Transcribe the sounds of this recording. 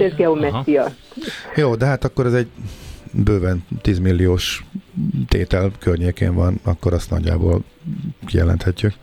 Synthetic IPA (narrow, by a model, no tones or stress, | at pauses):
ɛzɡɛomɛt̪ijɒ | joːd̪ɛɦaːt̪ɒkːoɾɛzɛɟ | bøːvɛnt̪iːzmilːijoːʃ | t̪ḛːt̪ɛlkørɲeːkḛːɱvɒnɒkːoɾɒst̪nɒ̰ɟːa̰ːbo̰ːl | kijɛ̰lɛ̰nt̪hɛcːyk